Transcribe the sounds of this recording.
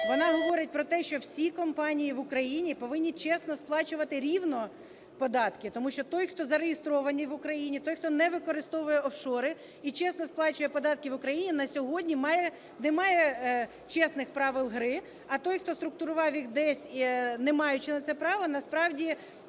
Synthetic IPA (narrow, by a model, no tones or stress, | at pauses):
ʋɔnɑɦɔʋɔɾʲɪt̚ʲpɾɔt̪ɛʃt͡ʃɔwsʲikɔmpɑnʲijiʋʊkɾɐjinʲipɔʋɪnʲːit͡ʃɛsnɔsplˠɑt͡ʃʊʋɐt̪ɪɾʲiwnɔ | pɔd̪ɑt̪kɪt̪ɔmuʃt͡ʃɔt̪ɔjxt̪ɔzɐɾejɪst̪ɾɔʋɐnʲiʋʊkɾɐjinʲit̪ɔjxt̪ɔnɛʋɪkɔɾɪst̪ɔʋʊjɛɔfʃɔɾɪ | it͡ʃɛsnɔsplˠɑt͡ʃʊjɛpɔd̪ɑt̪̚kɪʋʊkɾɐjinʲinɐsʲɔɦɔdʲnʲimɑjɛ | nɛmɑjɛ | t͡ʃɛsnɪxpɾɑʋɪlˠɦɾɪ | ɐt̪ɔjxt̪ɔst̪ɾʊk̚t̪ʊɾʊʋɑwjixd̪ɛsʲnɛmɑjʊt͡ʃɪnɐt̪sɛpɾɑʋɔnɐspɾɑwdʲi